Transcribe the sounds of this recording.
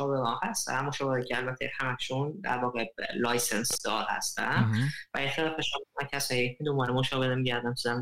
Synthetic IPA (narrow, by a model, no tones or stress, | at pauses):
ʃɒːbeɒnhæst̪æ̰moʃɒbeicʰeælbæt̪ʰḛhæmækʰʃund̪æ̰ɾvɒːɣelɒːjsensd̪ɒːd̪hæ̰st̪æ̰nvæet̪ʰelɒfeʃɒːbemæncʰæsɒːjied̪ombɒːɾemoʃɒːbed̪emiɟæɾd̪ænt̪ʰuzæm